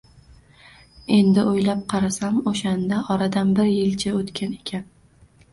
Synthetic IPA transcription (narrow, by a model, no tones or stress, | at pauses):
e̞nd̪ɪojlap̚qʰɑɾasamoʃand̪aʔɒɾad̪anbɪɾjɪlt͡ʃʰaot̪kʲane̞̥kʲʰan